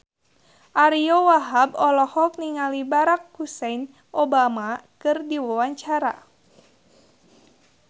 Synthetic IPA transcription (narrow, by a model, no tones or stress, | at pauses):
ʔaɾiowaɦabɔlɔhɔk̚niŋalibaɾak̚husɛjn | ʔobamakɨrdiwawaɲt͡ʃaɾa̰